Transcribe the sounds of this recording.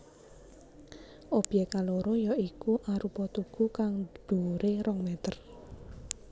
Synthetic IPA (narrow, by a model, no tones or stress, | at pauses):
ʔob̥jɛkaloɾojɔikuʔaɾupɔt̪uɡ̥ukaŋd̪̥uɾeɾʔɔŋmɛt̪ər